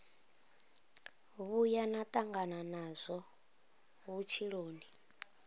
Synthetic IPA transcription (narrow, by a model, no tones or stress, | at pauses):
βujanat̪ʼaŋɡananazʷɔ | βut͡ʃʰiɺoːni